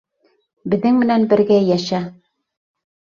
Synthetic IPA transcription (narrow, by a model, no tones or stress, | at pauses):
bɘ̆ðːɘŋmɘ̆nænbɘ̆ɾɡæjæʃæ